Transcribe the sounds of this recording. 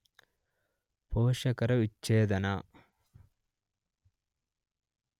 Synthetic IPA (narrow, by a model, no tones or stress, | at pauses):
poːʃɐkɐɾɐʋit͡ʃːeːd̪ɐnaː